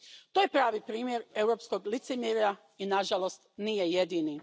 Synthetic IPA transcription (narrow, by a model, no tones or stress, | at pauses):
t̪oːjepɾaːʋipɾiːmjeɾe̞wɾo̞ːpskoɡlit̪semjeɾa | inaʒalo̞st̪nijejed̪ini